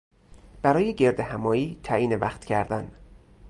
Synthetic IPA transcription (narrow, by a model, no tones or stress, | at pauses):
b̥æɾɒːjeɟe̞ɾd̪ehæmɒːiːt̪ʰæʔiːnevæxt̪cʰæɾd̪æn